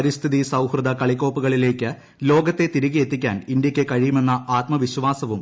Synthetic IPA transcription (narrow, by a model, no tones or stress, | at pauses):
ɾist̪ʰiðisɐwhrɨd̪ʱɐkɐɭikːo̞ːpːuɣɐɭile̞ːkʲːɨ | lo̞ːɡɐt̪ːe̞t̪iɾiɣije̞t̪ːikʲːaːnind̪jɐkʲːekɐɻijume̞nːɐaːt̪mɐʋiɕʋaːsɐʋum